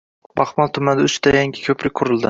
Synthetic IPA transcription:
bɑχmɒlˠt̪ʰʊmand̪ʊt͡ʃt̪ajaŋɡʲɪ̥kʲʰɵpʰɾɪk̚ʲqʰʊɾɪlˠd̪ɪ

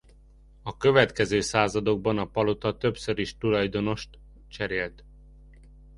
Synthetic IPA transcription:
ɒkøvɛt̪kɛzøːsaːzɒd̪o̞ɡ̚bɒnɒpɒlot̪ɒt̪ø̞psøɾiʃt̪ulɒjd̪o̞no̞ʃt̪ | t͡ʃɛɾeːlt̪

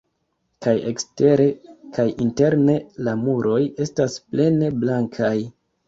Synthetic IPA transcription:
kajḛkste̞ɾe̞kajinte̞ɾne̞lamuɾo̞je̞stasple̞ne̞blaŋkʰaj

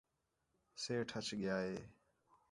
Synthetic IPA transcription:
seːʈʰət͡ʃɠjaːɦeː

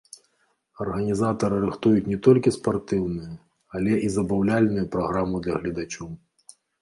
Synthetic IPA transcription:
ɐrɣɐnʲizat̪ɐɾɨɾɨxt̪ujut͡sʲnʲɛt̪ɔlʲkʲispart̪ɨwnɨjɐ | alʲɛʔizɐbawlʲalʲnujupɾaɣɾamud̪lʲɐɣlʲɐd̪at͡ʃɔw

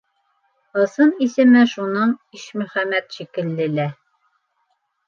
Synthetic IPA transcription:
ɤ̆sɤnisɘ̆mɘʃunɤɴiʃmɵ̆χæmæt̪ʃikɘ̆lːɘ̆læ

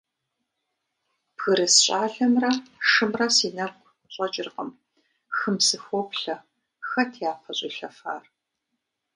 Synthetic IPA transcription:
pɣɨɾɨsɕʼaːɮɐmrɐʂɨmrɐsiːnɐɡʷʼ | ɕʷʼɐt͡ʃʼɪrqəm | xɨmsɨxʷɔpɬɐ | xɐtʰejaːpʰɐɕʼɪ̰ɬɐfa̰ːr

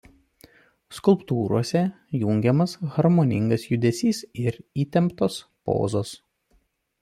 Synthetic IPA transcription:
skʊlˠpt̪uːɾuɔsʲɛ | juːŋʲɡʲɛmɐsɣɐɾmɔnʲɪŋɡɐsjʊd̪ʲɛsʲiːsɪɾiːt̪ʲɛmpt̪oːspo̰ːzoːs

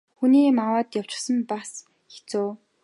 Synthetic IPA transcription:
xuniːmawaːt̪jaw̥t͡ɕɪ̥̆χsə̆mpas | xe̥t͡soː

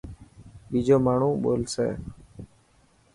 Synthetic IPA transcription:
ɓiːd͡ʒoːmaːɳ̤ũːɓo̰ːlsḛː

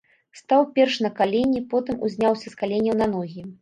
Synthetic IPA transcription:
st̪awpʲɛrʂnɐkalʲenʲipɔt̪ɨmʔṵzʲnʲawsʲɐskalʲenʲɐwnɐnɔɣʲi

